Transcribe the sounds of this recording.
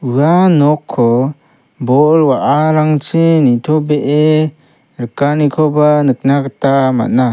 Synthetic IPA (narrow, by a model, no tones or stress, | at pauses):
ɯanɔkʰːɔ | bɔlwaʔaɾaŋt͡ʃinitʰɔbeʔe | ɾəkanikʰɔbanɯk̚nakatama̰t̚na